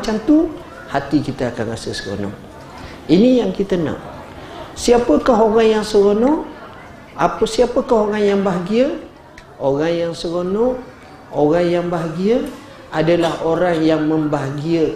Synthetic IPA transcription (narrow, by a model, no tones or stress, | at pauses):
t͡ʃant̪un | hat̪ikit̪aːkanrasəsəɣo̰nɔ̰ʔ | inijaŋkit̪əna̰ʔ | siapəkaɦoɣaŋjaŋsəɣonɔʔ | ʔapəsiapəkaɦoɣaŋjaŋbaɦaɡiə | oɣaŋjaŋsəɣonɔʔ | oɣaŋjaŋbaɦaɡiə | ʔadalahoɾaŋjaŋməmbaɦaɡiə